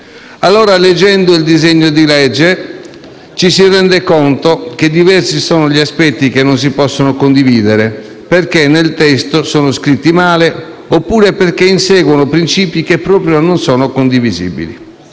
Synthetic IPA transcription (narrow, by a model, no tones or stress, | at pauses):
alːɔːɾaled͡ʒːɛnd̪oild̪izeɲːod̪ilɛd͡ʒːe | t͡ʃisirɛnd̪ekont̪ok̟ed̪ivɛrsisɔːnoʎiaspɛt̪ːikenːons̬ipɔsːonokond̪iviːd̪eɾe | perkenːelt̪ɛst̪osɔːnoskɾit̪ːimaːle | opːuːɾeperkeinsɛːɡwonopɾint͡ʃiːpikepːɾɔːpɾjononsɔːnokond̪ivizḭbḭlḭ